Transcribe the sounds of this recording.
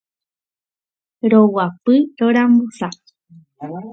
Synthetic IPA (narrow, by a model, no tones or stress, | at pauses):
ɾowapɨɾoɾambusa